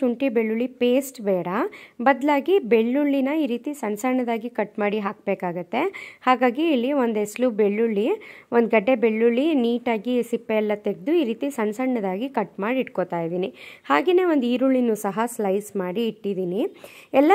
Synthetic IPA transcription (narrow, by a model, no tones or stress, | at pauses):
uɳʈibeɭːuɭipeːsʈbɛːɽɐbɐd̪laːɡibeɭːuɭːinɐiːɾiːt̪isɐnsɐɾɳɐd̪aːɡikɐʈːmaːɽiɦaːk̚beːkaːɡɐt̪ːe̞haːɡaːɡiːlːiʋo̞nd̪eslubeɭːuɭːiʔond̪ɡɐɖːe̞beɭːuɭːiniːʈaːɡisipːeːlːɐt̪eɡ̚d̪uiːɾiːt̪isɐnsɐɾɳɐd̪aːɡikɐʈmaːɽiiʈkot̪aːjd̪iːnihaːɡeːne̞ːʋond̪iːɾuɭːinːuːsɐɦɐslɐjsmaːɽiːʈːid̪iːniɛlːɐ